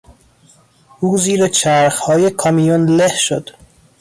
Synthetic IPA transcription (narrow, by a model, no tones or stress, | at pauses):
uːziːɾet͡ʃʰæɾxhɒːje̞kʰɒmijonle̞hʃod̪̥